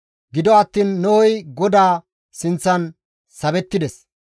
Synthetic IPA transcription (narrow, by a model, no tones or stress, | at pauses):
ɡɪd̪ɔɐt̪ːiːnːɔwɔjɡɔd̪aː | sɪnt͡sːɐn | sɐbɛt̪ːɪd̪ɛs